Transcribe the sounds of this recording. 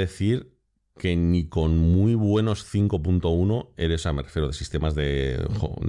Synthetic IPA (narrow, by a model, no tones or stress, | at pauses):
ðe̞θiɾ | ke̞niko̞nmuiβwe̞no̞sθiŋko̞punt̪o̞uno̞e̞ɾesame̞refje̞ɾoð̞e̞si̥st̪e̞mazðe̞xo̰